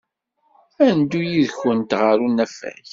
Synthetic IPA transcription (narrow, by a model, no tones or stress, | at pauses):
ænd̪ujiðçənt̪ʁəɾunːæfæ̰ç